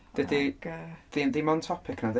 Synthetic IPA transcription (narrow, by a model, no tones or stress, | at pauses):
d̥ədiðinðimɔntʰɔpʰɪkʰnað